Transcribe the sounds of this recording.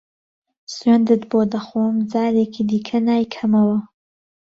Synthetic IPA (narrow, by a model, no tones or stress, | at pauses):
sɥend̪ɨt̪boːd̪ɐxoːmd͡zaːɾeːkʰid̪iːkʰɐnaːjkʰɐmɐwɐ